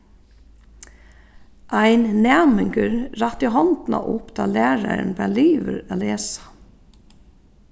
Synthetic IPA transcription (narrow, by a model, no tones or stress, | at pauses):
ʔaɪnnæːmɪŋkəɹɾɑt̪iɦɔnt̪na̰ʔʊpd̪ɑːlæːɹaɾnbæːliːʋəɾaːleːsḁ